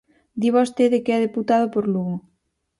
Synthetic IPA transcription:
d̪iβawst̪eðekɛðeput̪aðopoɾluɣo

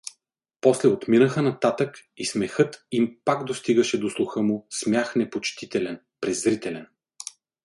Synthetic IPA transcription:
pɔslɛot̪minəxənɐt̪at̪əkismɛxɤt̪impakd̪ost̪iɡəʃɛd̪oslˠʊxɤmʊsmʲjaxnɛpot͡ʃt̪it̪ɛlɛn | pɾɛzɾit̪ɛlɛn

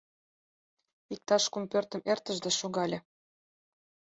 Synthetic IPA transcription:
ik̚t̪ɑʃkumpørt̪ə̆mert̪ə̆ʒd̪eʃoɣɑlʲĕ

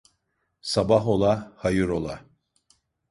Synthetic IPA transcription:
sabaɦo̞lˠahajɯɾo̞lˠa

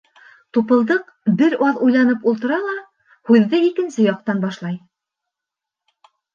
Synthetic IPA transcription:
t̪upɤ̆lˠd̪ɤq | bɘɾɑðujlˠɑnɤpulˠt̪ɤ̆ɾɑlˠɑ | hʉðːɘikɘ̆nsɘjɑq̚t̪ɑnbɑʃlˠɑj

